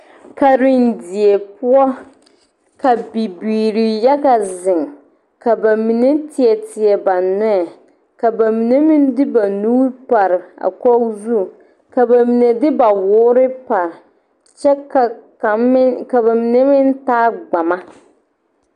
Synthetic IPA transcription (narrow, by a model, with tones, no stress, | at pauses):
ka˨ɾɪ˨n˨dɪ˨ɛ˨pʊ˦ɔ˦ | ka˨bi˨biː˨ɾi˨ja˦ɡa˨zɪ˨ŋ | ka˨ba˨mi˨ne˦tʰɪ˨ɛ˨tɪ˨ɛ˨ba˨nʊ˦ɛ˨ | ka˨ba˨mi˨ne˦mi˦n˦dɪ˦ba˨nuː˦ɾpa˨ɾɪ˨a̰˨kɔ˦zu˦˨ | ka˨ba˨mi˨ne˨dɪ˦ba˨wʊː˦ɾɪ˦pa˨ɾɪ˨ | t͡ʃɛ˦ka˨˦ | ka˨ba˨mi˨ne˦mɪ˦n˦taː˦ɡ͡ba˨ma˦